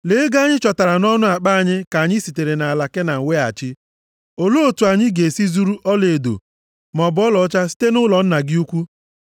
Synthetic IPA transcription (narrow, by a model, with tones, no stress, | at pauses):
le˨˦ɡa˦ɲɪ˦t͡ʃɔ˨ta˨ɾa˨nɔ˦nʊ˦a˨k͡pa˦a˨ɲɪ˦ka˨ɲɪ˦si˨te˨ɾe˨na˨a˨la˨ke˦na˨ŋ̩˨we˦a̰˨t͡ʃɪ˦ | o˨lo˦o˨tu˨a˨ɲɪ˦ɡe˨si˦zu˦ɾu˦ʔɔ˦le˨do̰˨ | mɔ˨bɔ˦lɔ˨˦t͡ʃa˦si̥˦te˦nʊ˦lɔ˨n̩˦na˨ɡɪ˦u˦kʷu˦